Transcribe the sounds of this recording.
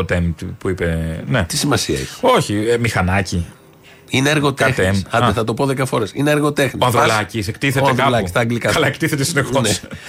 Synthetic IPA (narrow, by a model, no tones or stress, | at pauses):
ot̪enpuipenet̪i̥simɐsiɐ̰eçi̥o̞çimixɐnɐci | ineɐɾɣo̞t̪xeesɐd̪eθɐt̪o̞poðe̞kɐfo̞ɾe̞sineɐɾɣo̞t̪e̞xniɐðulɐcis̬ekt̪iθeteɐðuɐlɐkist̪ɐːŋɡlikɐɐlɐekt̪iθet̪esinextones